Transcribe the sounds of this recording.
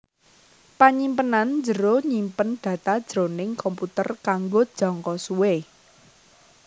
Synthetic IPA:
paɲimpənand͡ʒəɾoɲimpənɖ̪̥ä̤t̪ad̥ʒ̥ɾonɪŋkɔmput̪ə̰rkaŋɡod̥ʒ̥ɔ̤ŋkɔsuwe

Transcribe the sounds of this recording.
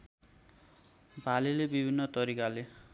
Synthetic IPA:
bʱalelebibʱinːʌt̪ʌɾikale

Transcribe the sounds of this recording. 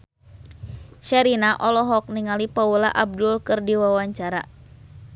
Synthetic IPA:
ʃɛɾinaʔɔlɔɦɔk̚niŋalipaulaʔab̚dʊlkɨrdiwawaɲt͡ʃaɾa̰

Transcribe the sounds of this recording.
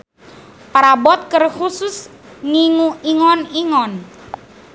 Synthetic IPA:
paɾabɔt̪̚kərxusʊs | ŋiŋuiŋɔniŋɔn

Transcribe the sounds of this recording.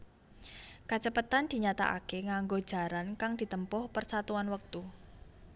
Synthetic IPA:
kat͡ʃəpət̪and̪̥i̤ɲat̪a̰ʔa̰keŋaŋɡod̥ʒ̥a̤ɾankaŋd̪̥i̤t̪əmpʊhpərsat̪uanwək̚t̪u

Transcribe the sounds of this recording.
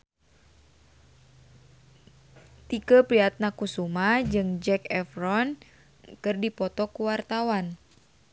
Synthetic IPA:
t̪ikəpɾiat̪̚nakusumad͡ʒɨŋd͡ʒɛkɛfɾɔn | kɨrdipɔt̪ɔkuwart̪awan

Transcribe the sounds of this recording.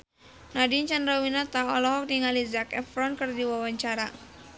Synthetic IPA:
nadiɲt͡ʃanɾawinat̪aɔlɔɦɔk̚niŋalizakɛfɾɔnkɨrdiwawaɲt͡ʃaɾa

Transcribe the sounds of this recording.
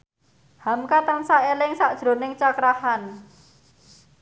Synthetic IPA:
hamkat̪əŋsaʔelɪŋsaʔd̥ʒ̥ɾo̤nɪŋt͡ʃakɾahan

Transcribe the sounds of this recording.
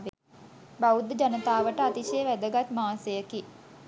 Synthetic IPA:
ʋe | baud̪d͡ʒanət̪aːʋəʈəat̪iʃejəʋæd̪əɡat̪maːsəjəki

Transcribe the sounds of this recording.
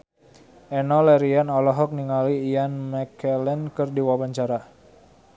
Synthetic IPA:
ʔɛnɔlɛɾianɔlɔɦɔk̚niŋaliːjanmɛkɛlɛnkɨrdiwabaɲt͡ʃaɾa

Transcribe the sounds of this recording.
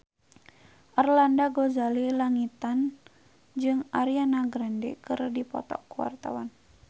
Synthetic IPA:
ʔarlandaɡozalilaŋit̪an | d͡ʒɨŋʔaɾianaɡɾɛndɛ̰kɨrdipɔ̰t̪ɔ̰kuwa̰rt̪a̰wan

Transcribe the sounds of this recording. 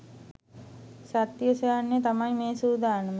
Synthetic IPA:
sat̪ːjəsejanːejt̪amajmeːsuːd̪aːnəmə

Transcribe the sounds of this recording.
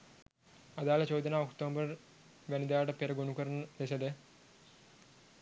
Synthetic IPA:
ɐðaːlɐt͡ɕoːd̪ɐnaːokʈ̪oːmbɐr | ʋɐnid̪aːɽɐpeɾɐɡonukɐɾɐnɐlesɐd̪ɨ

